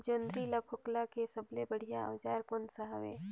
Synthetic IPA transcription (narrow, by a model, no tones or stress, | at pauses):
d͡ʒənd̪ɾilɐpʰʊklakesɐblebəɽ̤ijaɐ̰ːd͡ʒaːɾkʊnsaɦaʋḛː